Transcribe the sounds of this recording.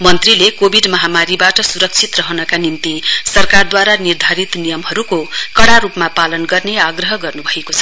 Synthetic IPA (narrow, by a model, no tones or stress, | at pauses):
mʌnt̪rilekobʱiɖmʌɦamaɾibaʈʌsuɾʌk̚t͡sʰit̪rʌɦʌnʌkanimt̪isʌrkard̪waɾanird̪ʱaɾit̪nijʌmɦʌɾukokʌɽaɾupmapalʌnɡʌrneaɡrʌɦʌɡʌrnubʱʌekot͡sʰʌ̥